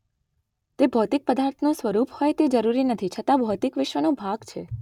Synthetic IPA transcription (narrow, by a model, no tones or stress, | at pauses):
t̪ebʱɔt̪ɪk̚pəd̪aɾt̪ʰnũsʋəɾuphɔjt̪ed͡ʒəɾuɾinət̪ʰit͡ʃʰət̪abʱɔt̪ɪkʋɪʃʋənobʱaɡt͡ʃʰe